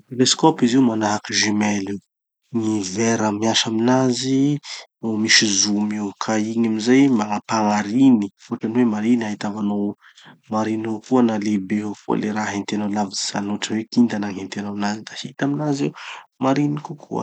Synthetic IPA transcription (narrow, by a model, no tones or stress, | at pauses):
t̪eleskɔpiziumanaɦakiʒimɛliw | ŋivɛɾəmiaʃaminaziomiʃizumiwkʰaiɲamizajmaŋapaŋaɾiniuʈ͡ʂaniwemaɾiniaɦit̪avano | maɾinokuənalebefo̰leɾaɦent̪enolaviiza̰nuʈ͡ʂəwekind̪anaŋent̪enaminazid̪ahit̪aminaziwmaɾinikukʰṵə̰